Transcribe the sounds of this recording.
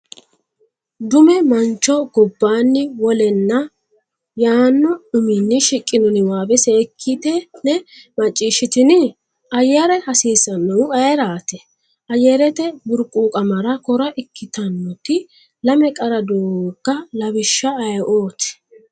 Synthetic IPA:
d̪ʊmɛmɐnt͡ʃːɔɡɔbːaːnːɪwɔlɛnːɐ | jaːnːɔʊmɪnːɪʃɪkʼːɪnɔnɪwaːbɛseːkʰːit̪ɛnɛmɐt͡ʃʼːiːʃːɪt̪ɪnɪ | ʔɐjɛɾɛhɐsiːsɐnːɐwɐjɛɾaːt̪ɛ | ɐjɛɾɛt̪ɛbʊɾkʼuːkʼɐmɐɾɐkɔɾɐʔɪkʰːɪt̪ɐnːɔt̪ɪ | lɐmɛkʼɐɾɐd̪oːkːɐlɐbɪʃːɐɐjʔo̞ːt̪ɪ̥

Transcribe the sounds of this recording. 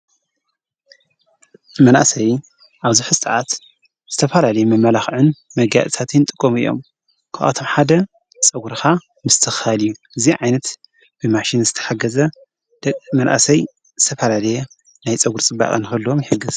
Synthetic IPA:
mɐnʔa̰sɐj | ʔaβzuħsʼɨʕat̪ | z̥ɨt̪ʰɐfɐlalɐjɛmɐmːɐlaxʕɨnmɐɡja̰t̪ʼɨt̪ʰat̪jɪnt̪ʼɨkʼːomɨ̰jːo̞̰m | kʰaʔa̰t̪ʰo̞mħad̪ɐ | t͡sʼɐɡuɾka | mɨst̪ʰɨxaljːuʔɨziʕajnɐt̪ | b̥ɨmaʃinzɨt̪ʰɐ̥ħaɡɐzɐ | d̪̥ʼmɐnʔa̰sɐj | zɨt̪ʰɐfɐlalɐje | najt͡sʼɐɡuɾt͡sʼɨba̰kʼɨnɨxɐlːuomjɪħɨɡːɨz

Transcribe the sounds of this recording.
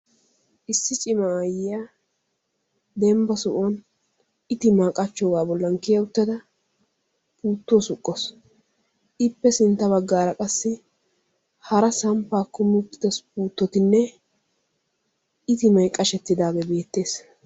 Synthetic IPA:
ʔɪsːɪt͡ʃʼɪmajɪjaː | d̪ɛmbɐsʊʔɔn | ɪt̪ɪmaːkʼɐt͡ʃːoːɡaːbɔlːɐŋkɪjɐʊt̪ːɐd̪ɐ | pʰuːt̪ːuwɔsʊkʼːɔs | ʔɪpːɛsɪnt̪ːɐbɐɡːaːɾɐkʼɐsːɪ | hɐɾɐsɐmpːaːkːɔmʊʊt̪ːɪ̥d̪ɐspuːt̪ːɔt̪ɪnːɛ | ɪt̪ɪmɐjkʼːɐʃɛt̪ːɪd̪aːbɛbe̞ːt̪ːe̞ːs

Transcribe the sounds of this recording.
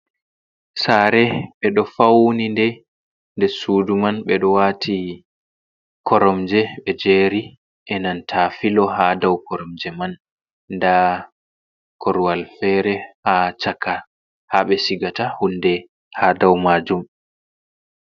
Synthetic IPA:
saɾɛɓɛɗɔfawnindɛ | ndɛsuːdumanɓɛɗɔwatʰi | kʰɔɾɔmd͡ʒɛɓɛd͡ʒeːɾi | ʔɛnantʰafilɔɦadawkɔɾɔmd͡ʒɛmanː | da | kʰɔɾuwalfɛɾɛhat͡ʃaka | haɓɛsiɡatahundɛ | hadawmad͡ʒum

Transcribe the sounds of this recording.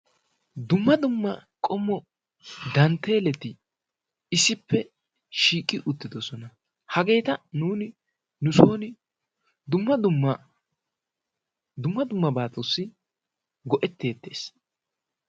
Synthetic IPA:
d̪ʊmːɐd̪ʊmːɐkʼɔmːɔ | d̪ɐnt̪e̞ːlɛt̪ɪ | ɪsːɪpːɛ | ʃiːkʼːɪʔʊt̪ːɪd̪ɔsɔnɐ | hɐɡe̞ːt̪ɐnuːnɪ | nʊso̞ːnɪ | d̪ʊmːɐd̪ʊmːɐ | d̪ʊmːɐd̪ʊmːɐbaːt̪ʼosːɪ | ɡɔʔɛt̪ːe̞ːt̪ːe̞̰ːs

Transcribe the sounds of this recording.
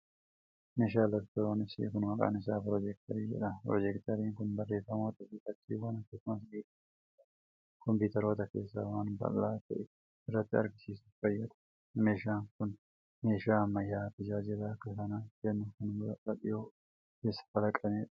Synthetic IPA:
meːʃ̬aːlɐɾt̪ɔɾoːnɪsḭkʊnmɐkʼa̰ːnɪsaːpɾɔd͡ʒɛk̚t̪ɐɾiːd͡ʒɛ̰ᶑɐpɾɔd͡ʒɛkt̪ɐɾiːŋkʊnbɐrːeːfːɐmoːt̪ɐfɪkɐt͡ʃːiːwaːnɐkːɐsʊmɐs̬ɡiːᶑɐ | ɐ | kɔmpiːt̪ɐɾo̞ːt̪ɐke̞̰ːsːaːwaːnbɐ̰lːaːt̪ɐʔɛ | ɪrːɐt̪ːɪɐɾɡɪsiːsuffɐjːɐᶑ̪ɐ̥ | meːʃaːŋkʊn | me̞ːʃaːmːɐjːaːfɪd͡ʒaːd͡ʒɪrɐːkːɐsɐnakɛnːʊkʊnɐkɐᶑʼɪjoː | ke̞ːsːɐ̥fɐlɐkʼɐmeːᶑɐ̥

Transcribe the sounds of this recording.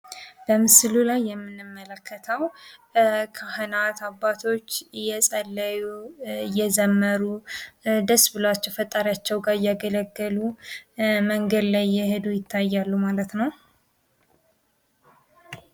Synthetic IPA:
b̥əmɨslulajːɛmːɨnːɨmːələkʰːət̪ʰəw | kʰahɨnat̪ʰabːat̪ʰo̞t͡ʃːjɛsʼəlːəjujɛzəmːəɾu | d̪əsbɨlwat͡ʃːɛwfət̪ʼːaɾjat͡ʃːɛwɡaɾjaɡələɡːəlu | məŋɡəd̪lajːɛhɨd̪ujɪt̪ʰːajːalːumalət̪nəw

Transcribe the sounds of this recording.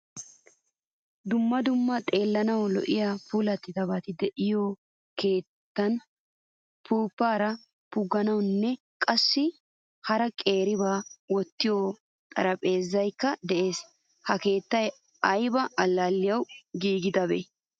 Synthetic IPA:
d̪ʊmːɐd̪ʊmːɐt̪ʼe̞ːlːɐnɐwlɔ̰ʔɪjaːpuːlɐt̪ːɪd̪ɐbat̪ɪd̪ɛʔɪjoː | ke̞ːt̪ːɐn | pʰuːpːaːɾɐ | pʊɡːɐnɐwnːɛ | kʼɐsːɪ | hɐɾɐkʼe̞ːɾɪβaːwɔt̪ːɪjoː | t̪ʼɐɾɐpʼe̞ːzːɐjkːɐd̪ɛʔe̞ːs | hɐke̞ːt̪ːɐj | ɐjbɐʔɐlːaːlːɪjɐwɡiːɡɪd̪ɐbḛ

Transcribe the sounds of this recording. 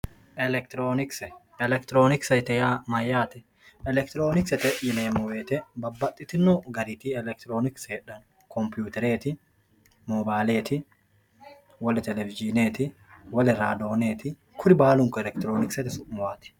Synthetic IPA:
ʔɛlɛkt̪ɾoːnɪksɛ | ɛlɛkt̪ɪɾoːnɪksɐt̪ɛjaːmɐjːaːt̪ɛ̥ | ɛlɛk̚t̪ɪɾoːnɪksɛt̪ɛʔjɪneːmɔweːt̪ɛbɐbːɐt̪ʼːɪt̪ɪnːɔɡɐɾiːt̪iɛlɛk̚t̪ɪɾoːnɪksɛᶑɐn | kʰɔmpjuːt̪ɛɾeːt̪ɪ | mɔːbaːleːt̪ɪ | wɐlt̪ɛlɛvɪd͡ʒineːt̪ɪ | wɐlɪɾaːd̪oːneːt̪ɪ | kʰʊɾɪbaːlʊŋkʊɛlɛkt̪ɪɾoːnɪksɛt̪ɪsʊmʊwaːt̪ɛ̥

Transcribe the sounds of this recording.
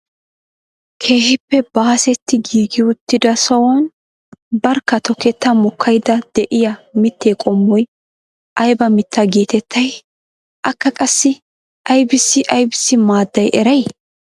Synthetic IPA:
kʰe̞ːhɪpːɛbaːsɛt̪ːɪɡiːɡɪʊt̪ːɪd̪ɐsɔwɔn | bɐɾkːɐt̪ɔkːɛt̪ːɐmɔkʰːɐjd̪ɐd̪̥ɛʔɪjɐmɪt̪ːeːkʼɔmːɔj | ʔɐjbɐmɪt̪ʰːɐɡeːt̪ɛt̪ʰːɐj | ʔɐkːɐkʼɐsːɪ | ʔɐjbɪsːɪʔɐjbɪsːɪmaːd̪ːɐjʔɛɾɐj

